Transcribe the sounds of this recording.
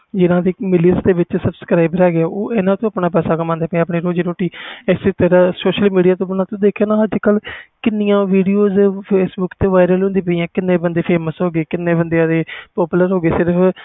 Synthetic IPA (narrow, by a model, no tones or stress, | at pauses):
d͡ʒɪnãːd̪iːmɪlisd̪eːʋɪt͡ʃsəbskɾaːɪbɾɛːɡeaːoːʔɪnãːt̪õːəpɳaːpɛːsaːkəmãːnd̪eːpɛ̃əpɳiːɾoːd͡ʒiːɾoːʈiːɪseːt̪əɾasoːʃəlmiːɖijaːt̪õːbənãːt̪õːd̪eːkʰaːnãːəd͡ʒkəlkɪnːɪjãːʋiːɖioːzpʰeːsbʊkt̪eːʋaːɪɾəlɦõnd̪iːpəijãːkɪnːeːbənd̪eːpʰeːməsɦoːɡeːkɪnːeːbənd̪ejãːd̪eːpɔːpʊləɾɦoːɡeːsɪɾpʰ